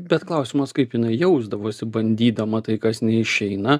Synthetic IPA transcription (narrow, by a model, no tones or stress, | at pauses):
bʲɛt̪klˠɐʊsʲɪmɐskɐɪpjɪnɐɪjɛʊzd̪ɐʋoːsʲɪbɐnʲd̪ʲiːd̪ɐmɐt̪ɐɪkɐsnʲɛɪʃʲɛɪnɐ